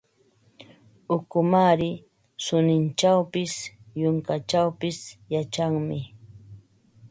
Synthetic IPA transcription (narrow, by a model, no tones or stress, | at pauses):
ʊkʊmaɾɪ | sʊnɪnt͡ʃawpɪsjʊŋkat͡ʃawpɪsjat͡ʃaŋmɪ